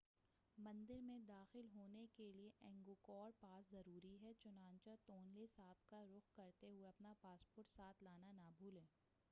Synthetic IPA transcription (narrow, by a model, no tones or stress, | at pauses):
mɐ̃nd̪ɪɾmẽd̪aːxɪlɦoːnekelieʔɛ̃ːŋɡokɔːɾpaːszɐɾuːɾiɦɛt͡ʃʊnãːnt͡ʃat̪oːnlesaːb̚kaɾʊxkɐɾt̪eɦʊeɐpnapaːspoːɾʈsaːt̪ʰlaːnanaːbʱuːlɛ̃ː